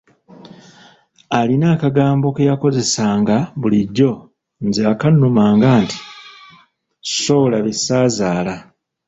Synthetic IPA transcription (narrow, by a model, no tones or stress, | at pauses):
alinaːkaɡaːmbo̞kejako̞ze̞saːŋɡaβuliɟːo̞ | nzeakanːumaːŋɡaːnti̥ | so̞laβesaːzaːla